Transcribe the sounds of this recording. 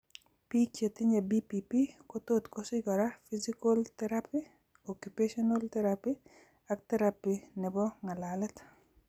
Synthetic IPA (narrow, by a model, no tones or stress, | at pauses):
pit͡ʃet̪iɲabipipikot̪ot̪kosɪɡɔɾafizikolt̪ɛɾapi | okjupeʃɔnalt̪ɛɾapi | ak̚t̪ɛɾapinɛbɔŋalalɛt̪